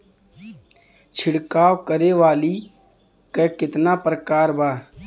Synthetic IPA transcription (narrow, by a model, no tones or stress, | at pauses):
t͡ʃʰɪɽkaːwkəɾeʋaːli | kekɪt̪napɾəkaːɾbaː